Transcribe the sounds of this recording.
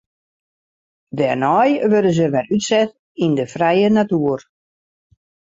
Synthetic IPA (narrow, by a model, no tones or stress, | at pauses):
dɛrnɔjʋødəzəʋɛrytsɛt | indəfrɛjənatuər